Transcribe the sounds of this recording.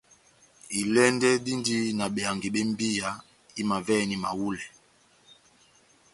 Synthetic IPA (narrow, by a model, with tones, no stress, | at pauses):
i˨lɛ˦ndɛ˦di˦ndi˦na˨ɓɛ˨a˨ŋɡi˨ɓɛ˦m˦bi˦ja˨ | i˦ma˨vɛ˦˨ni˨ma̰˨wu˦lɛ˨